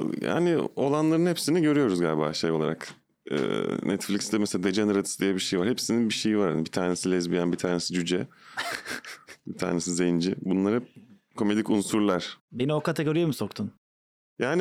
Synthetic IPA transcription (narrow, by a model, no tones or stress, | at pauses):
ja̰ːnɪo̞lˠanlˠaɾɯnhepsiniɟø̞ɾyjo̞ɾuzɡaːlʲba̰ːʃejoaɾa̰k | ɛ̰ːnʔɛt̪flʲicst̪ɛmɛselad̪ed͡ʒanɯɾad̪ʰi̥sd̪ijɛbiʃe̞jivaɾhepsininbiʃe̞jivaɾha̰nbit̪ʰaːne̞silʲɛzbijanbit̪ʰaːne̞sid͡ʒyd͡ʒɛ | bit̪ʰa̰ːne̞sizejind͡ʒɪbunlˠaɾɯ | kʰo̞me̞d̪icunsuɾlˠaɾ̥be̞nio̞kat̪eɡo̞ɾijemiso̞kt̪ʰun | jaːni